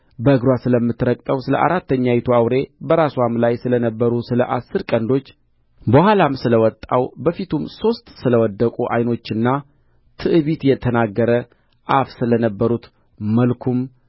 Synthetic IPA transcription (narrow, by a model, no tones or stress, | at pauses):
bəɨɡɾwasɨləmːɨt̪ɾəkʼt̪ʼəwsɨlə̰ʔa̰ɾat̪ːəɲːajɛt̪ʰuawɾe̞bəɾasamlajsɨlənəbːəɾusɨlə̰ʔasːɨɾkʼənd̪o̞t͡ʃː | bəhalamsɨləwɔt̪ʼːawbəfit̪ʰumso̞st̪ʼsɨləwɔd̪ːəkʼuʔa̰jno̞t͡ʃːɨnːa | t̪ʰɨʔɨβit̪jɛt̪ʰənaɡːəɾə | ʔafsɨlənəbːəɾut̪ | məlkʰum